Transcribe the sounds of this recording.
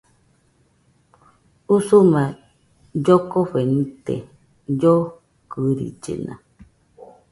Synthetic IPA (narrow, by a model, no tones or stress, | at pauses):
usumã | d͡ʒokoɸenĩt̪ḛ | d͡ʒo | kɨɾḭd͡ʒḛnã̰